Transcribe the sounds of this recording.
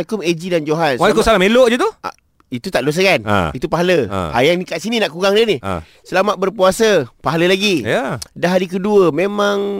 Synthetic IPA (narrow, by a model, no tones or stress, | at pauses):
akʊmed͡ʒidand͡ʒoɦansakosalameloʔd͡ʒət̪ua̰ | it̪ut̪aʔdos̬əkan̰it̪upaɦalə̰a̰jaŋnikat̪̚sininaʔkuɣaŋdənḭ | səlamat̪̚bərpuasəpaɦaləlaɡijadaɦaɾik̬əduəmemãŋ